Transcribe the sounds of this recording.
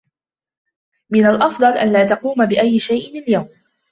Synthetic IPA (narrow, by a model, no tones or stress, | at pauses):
mɪnalʔɑfd̪ˤɑlʔa̰nlaːt̪ɑquːmabɪʔajːɪʃajʔɪnaljawm